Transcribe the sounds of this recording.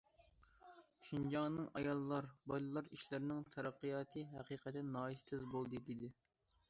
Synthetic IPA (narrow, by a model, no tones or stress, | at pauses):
ʃind͡ʒɑŋnɨŋɑ̰jɑlˠːɑɾbɑjlˠɨlˠɑɾiʃlɪɾɪnɪŋt̪ʰɛɾɑqːijɑːt̪ʰɨɦɛqʰiːqʰɛt̪ɪnɑːit̪ʰɪzbolˠd̪ɨd̪ed̪ɪ